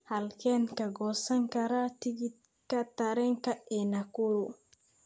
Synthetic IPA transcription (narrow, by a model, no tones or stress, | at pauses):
halkɛnkɐɡɔsɐŋkɐɾat̪iɡi | kat̪aɾɛŋkaɛnakuɾu